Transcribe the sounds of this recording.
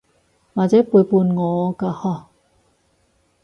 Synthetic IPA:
ma˧t͡ɕa˦pu˨ə˨jpu˧nŋɔː˨˦ka˧hɔ˧˩

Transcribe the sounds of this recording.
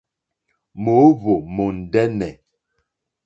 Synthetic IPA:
mo˨˦βo˨mo˨n̩˨dɛ˦nɛ˨

